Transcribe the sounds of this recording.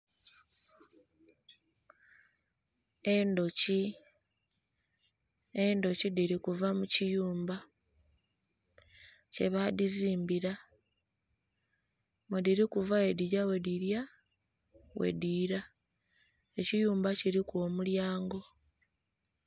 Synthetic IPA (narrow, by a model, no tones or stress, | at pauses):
endo̞ci | endo̞cidiɾikuvamucijuːmba | ce̞̰βadiziːmbiɾa | mwediɾikuvae̞diɾawe̞diɾja | we̞̰diːɾa | e̞cijuːmbaciɾiko̞ːmuljaːŋɡo̞